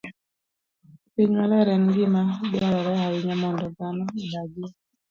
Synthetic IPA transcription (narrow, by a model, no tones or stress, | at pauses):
piɲalaɾɛŋɡɪmabɛaɾɛɾɛɦawɪɲamɔndɔdanɔidaɡɪ